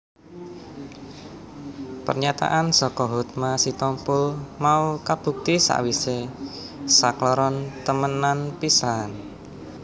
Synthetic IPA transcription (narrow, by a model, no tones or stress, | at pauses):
pərɲat̪a̰ʔansɔkɔɦut̪̚masit̪ɔmpʊlmaukab̥ṳk̚t̪isa̰ʔwise | saklɔɾɔnt̪əmənanpisan